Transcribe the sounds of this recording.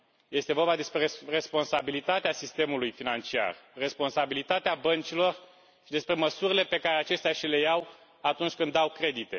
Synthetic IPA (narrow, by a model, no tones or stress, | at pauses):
je̞st̪e̞vo̞rbad̪e̞spɾe̞re̞spo̞nsabilit̪at̪easist̪e̞mulujfinant͡ʃia̰rre̞spo̞nsabilit̪at̪eabənt͡ʃilo̞r | ʃid̪e̞spɾe̞məsuɾile̞pe̞kaɾeat͡ʃe̞st̪eaʃile̞jaw | at̪unt͡ʃʲkɨnd̪awkɾe̞d̪it̪e̞